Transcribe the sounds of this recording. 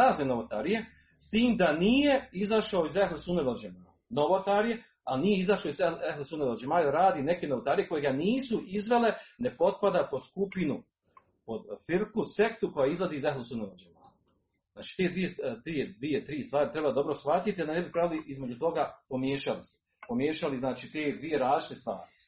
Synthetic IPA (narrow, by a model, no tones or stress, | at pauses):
aːznenoʋot̪aɾije̞ | st̪iːmd̪anije̞izaʃaoizehlesuneʋeld͡ʒemaː | noʋot̪aːɾije̞ | alnije̞izaʃaizehlesuneʋeld͡ʒemaːjaaɾaːd̪ine̞kenoʋot̪aːɾije̞ko̞je̞ɡaniːsuʔizʋe̞le̞ne̞po̞t̪̚pad̪apo̞skupinu | po̞d̪fiɾkuse̞kt̪uko̞jaizlˠaziːzeɦlesuneʋeld͡ʒema̰ːj | znaːt͡ʃi̥ːt̪e̞ːd̪ʋie̞t̪ied̪ʋiet̪ɾiːst̪ʋaːɾit̪ɾe̞bad̪o̞bɾosxʋat̪it̪iad̪anebipɾaʋiliʔizmed͡ʒut̪o̞ɡapo̞mjeːʃalise̥ | pomjeːʃaliznaːt͡ʃiːt̪eːd̪ʋije̞ɾaːzit͡ʃit̪est̪ʋa̰ːɾi